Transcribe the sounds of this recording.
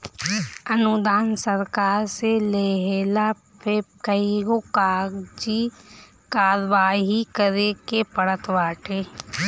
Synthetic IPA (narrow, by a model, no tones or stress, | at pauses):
ənʊd̪aːnsəɾkaːɾseleɦeːla | pʰekəiɡokaːɡd͡ʒi | kaːɾʋaːɦikəɾekepəɽət̪ʋaːʈʰeː